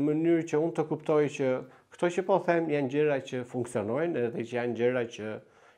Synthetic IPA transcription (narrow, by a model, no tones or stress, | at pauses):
mənyɾt͡ɕəunt̪əkupt̪ɔjt͡ɕə | kt̪ɔt͡ɕəpɔθɛmjand͡ʑəɾat͡ɕəfuŋksiɔnɔjnɛðɛt͡ʃəjand͡ʑəɾat͡ɕə